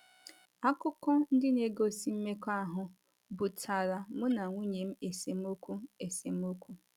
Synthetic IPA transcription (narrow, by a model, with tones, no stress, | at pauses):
a˦kʊ˦kɔ˦n̩˦dɪ˦ne˨ɡo˦si˨˦m̩˦me˦ka˦ɦʊ˨ | bʊ˨tʰa˨ɾa˨mʊ˦na˨ŋʷu˦ɲe˨m̩˦e˨se˨m̩˦o˦kʷu˦e˨se˨m̩˦o˦kʷu˦